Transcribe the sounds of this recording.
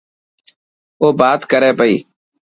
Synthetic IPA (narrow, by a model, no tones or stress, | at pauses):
oːbaːt̪kəɾeːpəḭː